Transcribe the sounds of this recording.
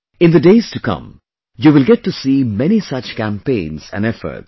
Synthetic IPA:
ɪ̃nðədeɪz̥tukʰʌ̰̃m | juʋɪlˠɡɛtːusimɛñisʌt͡ʃkæ̃mpẽɪ̃nz̥æ̰̃nɛfə̰˞ts

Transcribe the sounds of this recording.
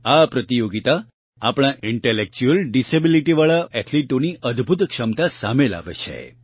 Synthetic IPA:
apɾət̪ijoɡit̪a | apɽ̃aʔiɳʈelek̚t͡ʃuəlɖisebiliʈiʋaɭaʔɛt̪ʰliʈoniʔəd̪ʱbʱut̪kʃəmt̪asamela̰ʋḛt͡ʃʰḛ

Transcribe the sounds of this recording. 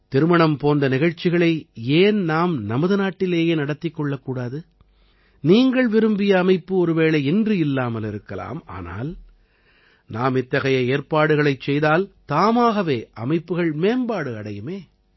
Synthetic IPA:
t̪ɪɾɯmɐɳɐmpoːnd̪ɐnɪɣɐɻt͡ʃːɪɣɐɭɐɪeːnnaːmnɐmɐðɯnaːʈːɪleːjeːnɐɽɐt̪ːɪkːɔɭːɐkːuːɽaːðɯ | niːŋɡɐɭʋɪɾɯmbɪjɐːmɐɪpːɯɔɾɯʋeːɭɐɪɛndrɯɪlːaːmɐlɪɾɯkːɐla̰ːma̰ːna̰ːl | naːmɪt̪ːɐɣɐjɐeːɾpaːɽɯɣɐɭɐɪt͡ʃːɛjðaːlt̪aːmaːɣɐʋeːʔɐ̰mɐɪpːɯɣɐɭmeːmbaːɽɯɐɽɐjɯmeː

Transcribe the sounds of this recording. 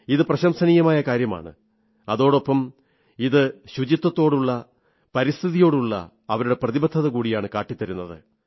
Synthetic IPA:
iðɨprɐɕɐmsɐnijɐmaːjɐkaːɾjɐma̰ːɳɨ̰ | ɐðo̞ːɽo̞pːɐm | iðɨɕud͡ʑit̪ːɐt̪ːo̞ːɽuɭːɐ | pɐɾist̪ʰiðijo̞ːɽuɭːɐ̰ | ɐʋɐɾuɽe̞prɐðibɐt̪ʰːɐðɐkuːɽijaːɳɨkaːʈːit̪ːɐɾunːɐðɨ̰

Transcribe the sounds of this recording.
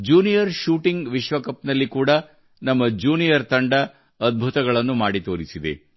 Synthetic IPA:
d͡ʒuːnijɐɾʃuːʈiŋɡʋiʃʋɐkɐpnɐlːikuːɽɐ | nɐmːɐd͡ʒuːnijɐɾt̪ɐɳɖɐ | ɐd̪̚bʱut̪ɐɡɐɭɐnːumaːɽit̪oːɾisid̪ḛ

